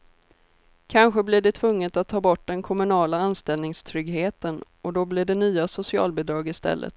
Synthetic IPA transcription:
kʰanɧəblɪɖɛt̪ʰvɵŋːət̪at̪ʰːɑːbɔʈːɖ̪ɛnkʰɔmɵnɑːlaanst̪ɛlnɪŋst̪ʰɾʏɡɦeːt̪ən | ɔd̪ɔblɪɖɛnyːasʊsɪɑ̰ːlbɪd̪ɾɑːɡɪst̪ɛ̰lːə̰t̪

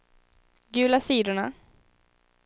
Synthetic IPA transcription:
ɡʉ̟ːlasiːd̪ʊɳa

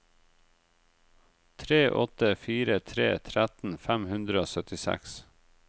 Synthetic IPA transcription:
t̪ʰɾeːʔɔ̰t̪əfiːɾət̪ʰɾḛːt̪ʰɾæt̪n̩fæmhʉnd̪ɾəoːsœt̪ɪsæ̰ks

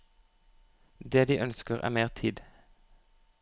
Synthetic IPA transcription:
d̪eːd̪iːʔœnskəʁæ̰ːmeːʁt̪ʰiːd̪

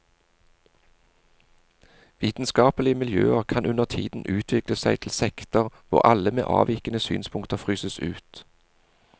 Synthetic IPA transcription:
ʋiːt̪n̩skɑːpəlɪəmɪljøːəʁkʰɑnʔʉnəʁt̪ʰḭːd̪n̩ʔʉːt̪ʰʋɪkləsæɪt̪ʰl̩sɛkt̪ɔʁʋʊ̰ʁɑləmḛːʔɑ̰ːʋɪkənəsy̰ːnspʰʊŋkt̪əʁfʁyːsəsʉ̰ːt̪

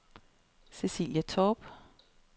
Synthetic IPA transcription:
sesḭːljətʰɔb̥

